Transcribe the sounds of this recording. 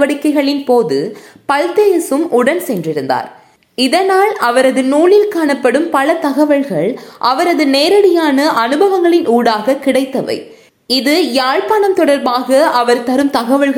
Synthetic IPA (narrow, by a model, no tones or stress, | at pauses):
ʋɐɽɪkːɐɪɣɐɭɪnpoːðɯpɐlt̪eːjɐsɯmʔʊɽɐnsɛndrɪɾɯnd̪a̰ːɾ | ɪðɐnaːlɐʋɐɾɐðɯnuːlɪlkaːɳɐpːɐɽɯmpɐlɐt̪ɐɣɐʋɐɭɣɐɭʔɐʋɐɾɐðɯneːɾɐɽɪjaːnɐʔɐnɯbɐʋɐŋɡɐɭɪnʔuːɽaːɣɐkɪɽɐɪt̪ːɐʋɐ̰ɪ | ɪðɯjaːɻpɐːɳɐmt̪ɔɽɐɾbaːɣɐɐʋɐɾt̪ɐɾɯmt̪ɐɣɐʋɐɭɣ